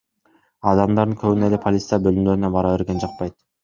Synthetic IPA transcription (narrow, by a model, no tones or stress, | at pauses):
ɑd̪ɑmd̪ɑɾd̪ɯŋkʰøβynelepʰolʲit̪sɨjɑbølymd̪øɾynebɑɾɑβe̞ɾɡe̞nd͡ʒɑq̚pɑjt̪̚